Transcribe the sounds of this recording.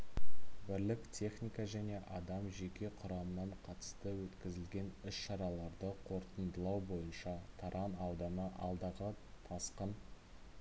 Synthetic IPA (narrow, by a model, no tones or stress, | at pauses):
bɪɾlɪkt̪ʲʰe̞χnʲijkɑʒæne̞ʔɑd̪ɑmʒe̞kʲe̞qʰʊɾɑmənɑɴqʰɑt̪ə̥st̪əwɵt̪kʲɪzɪlɡʲe̞nʏsʃɑɾɑlˠɑɾd̪əqʰo̞ɾt̪ənd̪əlˠɑwbo̞jənʃɑt̪ʰɑɾʔɑnɑwd̪ɑnəʔɑlˠd̪ɑʁət̪ʰɑsqən